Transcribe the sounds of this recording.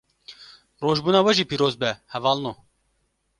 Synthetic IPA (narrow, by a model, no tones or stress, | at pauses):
roːʒbuːnɑːwɛʒiːpiːɾoːzbɛhɛvɑːlnoː